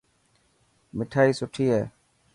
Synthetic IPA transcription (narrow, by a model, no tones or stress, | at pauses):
mɪʈʰaːiːsʊʈʰiːeː